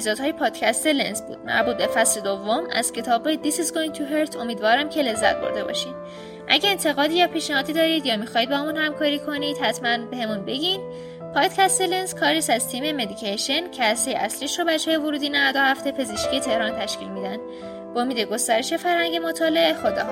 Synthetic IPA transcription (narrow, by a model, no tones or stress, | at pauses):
eizɒːd̪hɒːje̞pʰɒːd̪̥cʰʲæst̪e̞lḛnsbṵːd̪̥mæ̰ɾbuːt̪̚be̞fæsle̞d̪ovːomæ̰z̥cʰe̞t̪ʰɒːbed̪isizɡojĩŋ̚t̪ʰuɦeɾt̪ʰo̞miːd̪vɒːɾæmcʰe̞le̞zːæ̰t̪̚bo̰ɾd̪e̞bɒ̰ːʃin | ʔæ̰ɟæeːnt̪ʰe̞ɣɒːd̪iːjɒpʰiːʃnæhɒːd̪iːd̪ɒːɾiːd̪jɒːmixɒːid̪bɒmunhæmkʰɒːɾiːkʰo̞niːd̪̥hæt̪ʰmænbehe̞munbe̞ɟin | pʰɒːd̪̥cʰæst̪elenskʰɒːɾiːsæzt̪ʰiːme̞me̞d̪icʰeʃencʰeæsejeʔæsliːʃɾobæt͡ʃʰɒːjevoɾuːd̪inævæd̪ohæft̪e̞pʰe̞zeʃkcʰijet̪ʰe̞hɾɒːnt̪ʰæʃcḭːlmiːd̪ænd̪ | bomiːd̪e̞ɡo̞st̪æɾe̞ʃe̞fæɾhæŋɟe̞mot̪ʰɒːle̞ʔexod̪ḛ